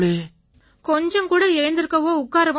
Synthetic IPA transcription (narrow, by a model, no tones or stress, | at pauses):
ɭeː | kɔɲd͡ʒɐŋkuːɽɐɛɻɐnd̪ɪɾɯkːɐʋoːʊkːaːɾɐʋɐ̃